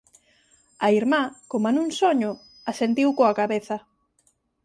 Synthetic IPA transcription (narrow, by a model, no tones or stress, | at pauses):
aiɾmakomanuŋsoɲʊ | asent̪iwkoakaβeθɐ